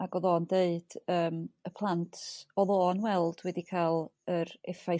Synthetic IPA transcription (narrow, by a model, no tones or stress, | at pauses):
aɡɔðoːndeɨd̥əːməpʰlˠantʰɔðoːnwɛlˠd̥wɛdikʰalˠəɾɛfa